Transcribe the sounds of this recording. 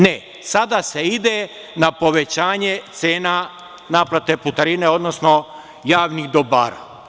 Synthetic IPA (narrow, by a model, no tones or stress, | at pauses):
ne | sad̪ase̞id̪e | napo̞ʋe̞t͡ɕaːɲe̞t̪seːna | naplˠat̪e̞put̪aɾine̞o̞d̪nosno̞ | jaːʋniɣd̪oba̰ːɾa̰